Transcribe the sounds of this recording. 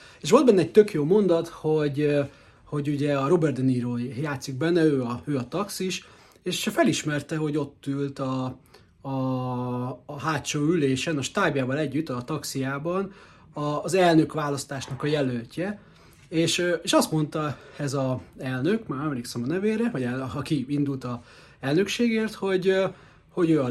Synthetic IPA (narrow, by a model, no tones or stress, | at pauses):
eːʃ̬o̞ld̪bɛnːɛɛc̚t̪ø̞kjoːmo̞nd̪ɒt̪ho̞ɟ | ho̞ɟuɟɛɒɾobɛrd̪ɛniɾoːjaːt̪siɡ̚bɛnːɛøːɒøːɒt̪ɒksiʃ | eːʃfɛliʃmɛrt̪ɛɦo̞ɟo̞t̪ːylt̪ɒː | ɦaːt̪ʃoːyleːʃɛnɒʃt̪aːbjaːvɒlɛɟːyt̪ːɒt̪ɒksijaːbɒn | ɒzɛlnø̞kʋaːlɒst̪aːʃnɒkɒjɛlølcɛ | eːʃeːʃɒst̪mo̞nt̪ɒɛzɒɛlnøkmaːɾɛmleːksɛmɒnɛveːɾɛʋɒɟɛɒkiind̪ult̪ɒ | ɛlnø̞kʃeːɡeːrt̪ho̞ɟ | ho̞ɟøːɒ